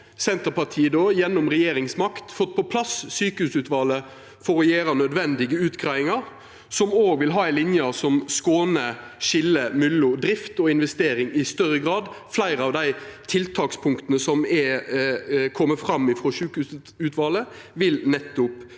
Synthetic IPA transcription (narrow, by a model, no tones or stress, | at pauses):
sɛnt̪əɾpɑt̪ʰiːəd̪oːjɛnːʊmʁɛjeːɾɪŋsmɑkt̪fɔt̪̚ːpʰɔpʰlɑssyːkəhʉːsʉːt̪ʋɑːlə | fɔɾɔjeːɾɑnœd̪ʋɛnd̪ɪɡəʉːt̪ɡʰɾɑɪŋɑɾ | sɔmoːɡʋɪlɦɑːæɪlɪnjɑsɔmskoːnəʃɪlːəmʏlːʊd̪ɾɪft̪ɔɪnʋɛst̪eːɾɪŋɪst̪œɾəɡʁɑːd̪flæɪɾəɑʋd̪æɪt̪ʰɪlt̪ʰɑːkspʰʊŋkt̪ənəsɔmɛ | kʰɔmːəfɾɑmːɪfɾɔsʉːkʉs | ʉːt̪ʰʋɑːlə | ʋɪlnɛt̪ːʊp